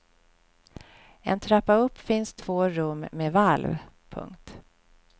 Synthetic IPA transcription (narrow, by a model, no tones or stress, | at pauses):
ɛ̰nt̪ʰɾapːaɵpːfɪnst̪ʰv̥oːɾɵmːeːvalv | pʰɵ̰ŋkt̪